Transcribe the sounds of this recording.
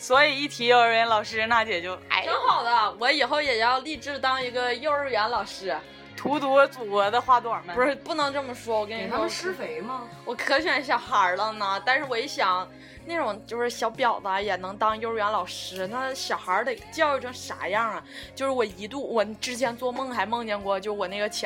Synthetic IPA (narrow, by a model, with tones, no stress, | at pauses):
swɔ˧˥i˨˩i˥˩t̪ʰi˧˥jo˧ʊə˧˩ə˧˥lɑ˨˩ʊʂɻ̩˥˧˥na˥˩t͡ɕjɛ˨˩t͡ɕjo˥˩ʊ˥˩kŋxɑ˨˩ʊd̪ə˦wɔ˧˥i˨˩xo˥˩ʊjɛ˨˩jɑ˥˧ʊli˥˧ʈ͡ʂɻ̩˥˧t̪ɑ˥ŋi˧˥ɡə˧jo˥˧ʊ˥˩ɥɛ˧˥nlɑ˨˩ʊʂɻ̩˥ | t̪ʰu˧˥t̪u˧˥t͡su˨˩kwɔ˧˥d̪ə˧xwa˥˧t̪u˥˩ə˞˨˩ə˧˩u˩ɻ̩˥pu˥˩nɤ˧˥ŋʈ͡ʂɤ˥˩mə˨˩ʂwɔ˥wɔ˨˩kə˥ni˧˥˧ʂɻ̩˥fe˧˥ɪmɐ˧ | wɔ˨˩kʰɤ˧˥ɕɥɛ˨˩nɕ̬jɑ˨˩ʊxə˧˥lə˧nə˧t̪a˥˧nʂɻ̩˥˩wɔ˧˥i˧˥ɕjɑ˨˩˦ŋ | na˥˩ʈ͡ʂʊ˨˩ŋt͡ɕjo˥˧ʂɻ̩˥˩ɕjɑ˧˥ʊpjɑ˨˩ʊt̪a˧˥jɛ˨˩nɤ˧˥ŋt̪ɑ˥ŋjo˥˧ɻ̩˥˩ɥɛ˧˥nlɑ˨˩ʊʂɻ̩˥na˥˩ɕjɑ˨˩ʊxə˞˧˥d̪ə˧t͡ɕjʈ͡ʂʊ˨˧˩ŋʂa̰˨˩jɑ˥˩ə˩t͡ɕjo˥˧ʊʂɻ̩˥˩wɔ˨˩i˧˥t̪u˥˩wɔ˨˩ʈ͡ʂɻ̩˥t͡ɕʰjɛ˧˥nt͡swɔ˥˧mɤ˥˩ŋxa˧˥ɪmɤ˥˧ŋt͡ɕjɛ˥˧nkwɔ˥˧t͡ɕjo˥˧ʂ̩˥˧wɔ˨˩na˥˩ɡə˩t͡ɕʰ